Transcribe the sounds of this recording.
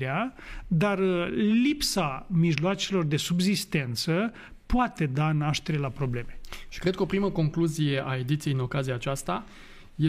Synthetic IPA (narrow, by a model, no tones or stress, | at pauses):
ead̪arəlipsamiʒloat͡ʃe̞lo̞rd̪e̞subzist̪e̞nt̪sə | poat̪e̞d̪anaʃt̪e̞ɾe̞lapɾo̞ble̞me̞ʃi̥kɾed̪̚kəopɾiməko̞ŋkluzije̞ʔae̞d̪it̪sijeino̞kazijaːt͡ʃast̪a | je